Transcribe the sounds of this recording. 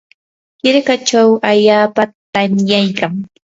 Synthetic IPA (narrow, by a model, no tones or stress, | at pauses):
kɪɾkat͡ʃawaʎaːpat̪amjajkaŋ